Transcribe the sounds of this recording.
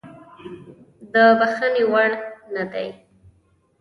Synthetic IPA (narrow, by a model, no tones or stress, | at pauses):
d̪əbaxənewaɽnad̪a̰j